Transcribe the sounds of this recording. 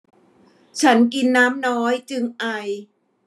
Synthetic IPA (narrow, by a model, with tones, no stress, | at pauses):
t͡ɕʰa˦˥nk̬i˧nːaː˦˥mnɔː˦˥jt͡ɕɯ˧ŋʔa˧j